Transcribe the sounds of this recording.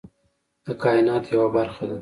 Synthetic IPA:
d̪̥əkɑɪnɑːt̪jawabaɾxad̪a

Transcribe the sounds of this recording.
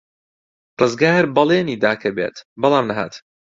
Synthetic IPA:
rɨzɡaːɾbɐleːniːd̪aːkʰɐbḛːt̪bɑlˠaːmnɐɦa̰ːt̪

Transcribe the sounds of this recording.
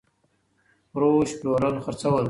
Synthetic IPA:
ɾoʃploɾəlxəɾt͡sawəl

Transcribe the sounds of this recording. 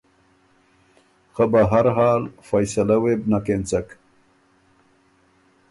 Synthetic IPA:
xabaɦaɾɦaːlfajsalawebnakent͡sak

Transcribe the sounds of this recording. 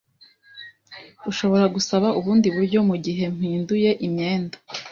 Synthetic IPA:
uʃo̞βo̞ɾaɡusaβauβuːndiβuɾɟo̞muɟiɦe̞m̥hiːnduje̞ʔimɲe̞ːndḁ

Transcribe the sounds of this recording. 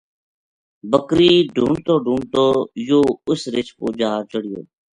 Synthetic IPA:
bəkɾiːɖʱuːɳt̪oːɖʱuːɳt̪oːjoːʊsɾɪt͡ʃkoːd͡ʒaːɾt͡ʃəɽ̤ɪjo̰ː

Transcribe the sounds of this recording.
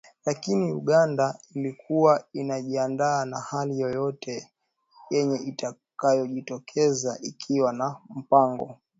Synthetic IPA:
lakiniṵɠandailikʰuwainaʄiandaːnahalijɔjɔtɛ | jɛɲɛʔita | kajɔʄitɔkʰɛzaʔikʰiwanam̩paŋɡɔ̰

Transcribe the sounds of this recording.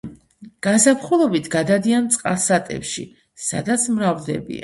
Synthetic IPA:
ɡ̥asapχulˠɔbit̪ʰɡad̪ad̪iant̪sʼqʼa̰sat̪ʼɛ̰pʃḭ | sa̰d̪at̪sʰmɾavd̪ɛbḭa

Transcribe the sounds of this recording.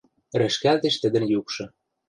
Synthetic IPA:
ɾɘ̆ʃkælt̪ĕʃt̪ə̆d̪ə̆njukʃɤ̆

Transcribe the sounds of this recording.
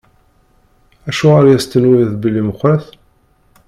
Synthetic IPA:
æʃuʁaɾjæst̪ːənwiθbəlːiməχɾæθ

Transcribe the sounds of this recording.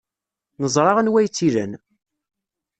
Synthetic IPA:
nəzˤɾˤɑʁənwæjt͡sːiɾə̰n

